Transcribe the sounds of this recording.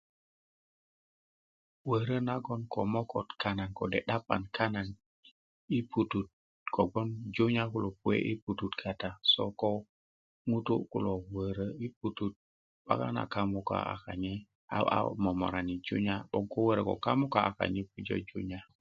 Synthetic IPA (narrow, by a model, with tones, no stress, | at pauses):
wə˨ɾə˦na˦ɡo˦nko˨mo˦ko˨tka˦na˨nko˨dḛ˨ɗa˦pːa̰˨nkʰa˦na˨n | i˦pu˨tu˨t̚ | kʰo˨ɡo˦nd͡ʒu˦ɲa˦ku˦lo˨pu˦ḛ˦ʔi˦pu˨tu˨tkʰa˨ta˨so˦ko˦ | ŋu˦tu˦ku˨lo˨wə˨ɾə˦i˦p̚u˨tu˦t̚ | ba̰˦ka̰˦na̰˨ka˨mu˨ka̰a̰˨ka˨ɲe˦ | aa̰˦mo˨mo̰˨ɾa˨ni˨d͡ʒṵ˦ɲa˦ɓo˦ŋko˦wə˦ɾə˨ko̰˨ka˦mu˦ka˦a˨ka̰˨ɲi˦pu˦d͡ʒo̰˦d͡ʒṵ˦ɲa˨